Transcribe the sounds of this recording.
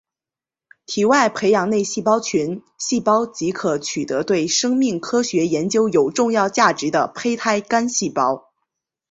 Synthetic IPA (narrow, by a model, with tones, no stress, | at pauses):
t̪ʰi˨˩wa˥˩ɪpʰe˧˥ɪjɑ˨˩ŋne˥˧ɪɕi˥˩pɑ˥ʊt͡ɕʰy˧˥n | ɕi˥˩pɑ˥ʊt͡ɕi˧˥kʰɤ˧˥t͡ɕʰy˨˩t̪ɤ˧˥t̪we˥˩ɪʂɤ˥ŋmi˥˩ŋkʰɤ˥ɕɥɛ˧˥jɛ˧˥nt͡ɕjo˥ʊjo˨˩ʊʈ͡ʂʊ˥˧ŋjɑ˥˧ʊt͡ɕja˥˩ʈ͡ʂɻ̩˧˥d̪ə˧pʰe˥ɪt̪ʰa˥˩ɪka˥nɕi˥˩pɑ˥ʊ